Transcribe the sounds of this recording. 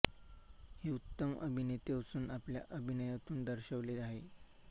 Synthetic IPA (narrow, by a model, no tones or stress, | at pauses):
heut̪ːəmə̰bʱinet̪eəsuːnapljaʔəbʱinəjat̪uːnd̪əɾɕəʋleaɦe